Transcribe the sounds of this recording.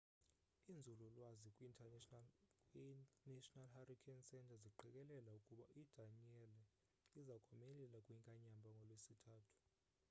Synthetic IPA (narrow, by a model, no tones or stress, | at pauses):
ind͡zʱululwazikʼwi | nɛʃʼɔnalhaɾikʰɛnsɛntʰʼaziǃɛkʼɛlɛlaukʼuɓaʔid̥ʱanɛlɛ | izakʼamɛlɛlakʼwiŋkʼaɲambʱaŋɡʱɔlwesitʰaːtʰu̥